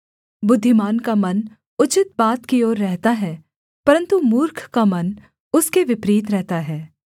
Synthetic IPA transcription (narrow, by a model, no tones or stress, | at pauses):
bʊd̪ʱːɪmaːnkamɐn | ʊt͡ʃɪt̪̚baːt̪kioːɾːɛɦt̪aɦɛː | pɐɾə̃nt̪umuːɾkʰkamɐn | ʊskeʋɪpɾiːt̪ɾɛɦt̪aɦɛː